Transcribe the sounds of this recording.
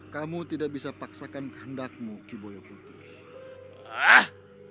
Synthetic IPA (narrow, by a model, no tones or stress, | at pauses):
kamut̪idak̚bisapaksakankə̥ɦəndak̚mukibojɔput̪ɪh | ah